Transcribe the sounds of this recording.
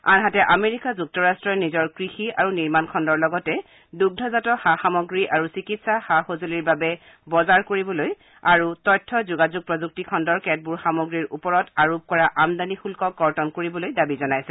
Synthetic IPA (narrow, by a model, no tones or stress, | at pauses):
a̰nɦatɛʔameɹikazuk̚tɔɹastɹɔnizɔɹkɹixia̰ɹuniɹmankʰɔndɔɹlɔɡɔtɛ | duɡ̚dʱɔzatɔxaxamɔɡɹiʔaɹusikitsaxaxozoliɹbabɛ | bɔzaɹkoɹibɔloj | aɹutɔjtʰːɔzuɡazuɡ̚pɹɔzuk̚tikʰɔndɔɹkɛt̚buɹxamoɡɹiɹʔupɔɹɔtaɹop̚kɔɹaʔamdanixulkɔɡɔɹtɔnkoɹibɔlojdabizɔnajsɛ